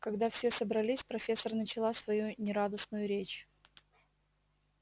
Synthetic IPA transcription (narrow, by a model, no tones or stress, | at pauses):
kɐɡd̪afsʲe̞səbɾɐlʲisʲpɾɐfʲe̞sːərnət͡ɕɪlˠasvɐjunʲɪɾad̪əsnʊjʊɾʲet͡ɕ